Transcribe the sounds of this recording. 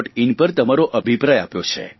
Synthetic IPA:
ʈinpəɾt̪əmaɾoʔəbʱipɾajapjot͡ʃʰḛ

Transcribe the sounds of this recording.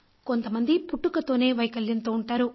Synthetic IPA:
ko̞nt̪ɐmɐnd̪ipuʈːukɐt̪o̞ːne̞ːʋɐjkɐljɐnt̪uːɳʈaːɾu

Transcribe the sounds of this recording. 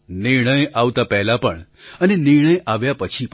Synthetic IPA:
nɪɾɳ̃əjaʋt̪apɛɦlapəɳənenɪɾɳ̃əjʔaʋjapət͡ʃʰip

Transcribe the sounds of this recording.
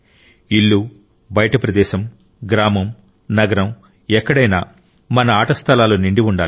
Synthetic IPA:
iɭːu | bɐjɐʈɐpɾɐd̪ɛːʃɐm | ɡɾaːmɐm | nɐɡɐɾɐm | ɛkːɐɽɐjna̰ː | mɐnɐaːʈɐst̪ʰɐlaːluniɳɖiʋuɳɖaːl

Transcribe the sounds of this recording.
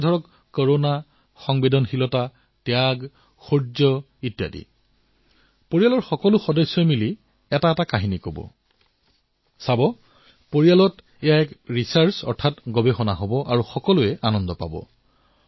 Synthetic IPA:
dʱɔɹɔkː | ɔɹona | xɔŋbedɔnxilɔta | tɛjaɡ | xuɹd͡ʒɔ | itja̰dḭ | poɹijalɔɹxɔkɔlʊxɔdɔsːɔmili | ɛtaɛtakaɦinikobɔ̰ | sabɔ | poɹijalɔt | ɛjaɛkɹisaɹsɔ̰ɹtʰatɡɔbexɔnaɦobɔʔaɹuxɔkɔlʊɛʔanɔndɔpa̰bɔ̰

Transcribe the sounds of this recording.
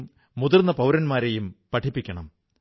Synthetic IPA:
mː | uðurnːɐpɐwɾɐnmaːɾe̞jumpɐʈʰipːikʲːɐɳɐm

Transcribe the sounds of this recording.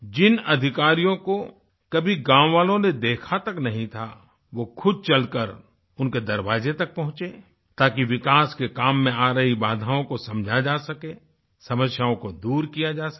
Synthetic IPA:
d͡ʒɪnɐd̪ʱɪkaːɾijõko | kɐbʱiɡãːwʋaːlõned̪eːkʰat̪ɐknɐɦĩt̪ʰa | ʋokʰʊd̪̚t͡ʃɐlkəɾ | ʊnked̪ɐɾʋaːzet̪ɐk̚pɐ̃ɦʊ̃t͡ʃeː | t̪aːkiʋɪkaːskekaːmːẽaːɾəɦibaːd̪ʱaːõkosɐ̃md͡ʒʱad͡ʒaːsɐkeː | sɐməsjaõkod̪uːɾkijad͡ʒaːs

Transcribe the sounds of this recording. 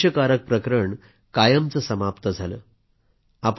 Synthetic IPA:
əkaɾək̚pɾəkɾəɳ | kajəmt͡səsəmapt̪əd͡zʱalə̰ː | ap

